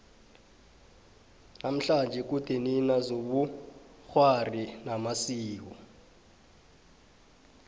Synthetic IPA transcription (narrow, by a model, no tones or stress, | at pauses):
nam̩ɬand͡ʒʱɛk̬ud̥ʱeninazoɓuxwarinamasiːk̬ɔ